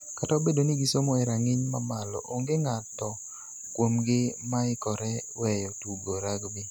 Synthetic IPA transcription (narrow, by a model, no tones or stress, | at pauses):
kataobedonɪɡisomɔɛɾaŋɪɲmamalɔ̰ʔoŋɡeŋatɔ | kwomɡɪmaɪkɔɾɛwɛjɔtuɡoɾaɡbi